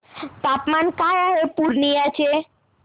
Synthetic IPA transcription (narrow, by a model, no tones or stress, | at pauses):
t̪apmankajaepuɾnijat͡ʃʰe